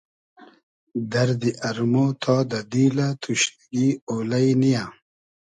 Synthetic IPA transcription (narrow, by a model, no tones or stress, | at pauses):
d̪ɐɾd̪iʔɐɾmot̪ʰɔːd̪ɐd̪iːlat̪ʰuɕ | ɡiːoːlɐjnijã